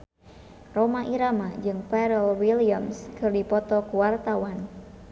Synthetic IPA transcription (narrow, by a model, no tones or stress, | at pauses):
romaʔiɾamad͡ʒɨŋpɛɾɛlwiliamskɨrdipɔt̪ɔkuwart̪awan